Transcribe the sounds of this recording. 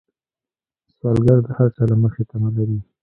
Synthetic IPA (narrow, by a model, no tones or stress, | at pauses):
swɑlɡaɾd̪əhaɾt͡salaməxet̪amalaɾi